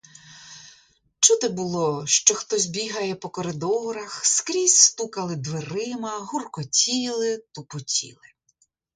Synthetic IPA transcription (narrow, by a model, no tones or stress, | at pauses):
t͡ʃud̪ɛbʊlˠɔʃt͡ʃɔxt̪ɔzʲbʲiɦɐjɛpɔkɔɾɪd̪ɔɾɐxskɾʲisʲst̪ukɐlˠɪd̪ʋeɾɪmɐɦurkɔtʲilˠɪt̪upʊtʲḭlˠɪ